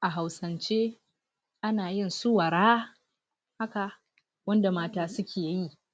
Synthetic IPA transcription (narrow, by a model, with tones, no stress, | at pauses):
ʔa˨ɦa˨wsɐ˨nt͡ʃeː˦ | ʔa˦naː˨jɪ˦nsʊ˦wa˨ɾaː˦ | ha˦ka˨ | wɐ˦nda˨maː˦taː˦sʊ˦kʲeː˨jji˦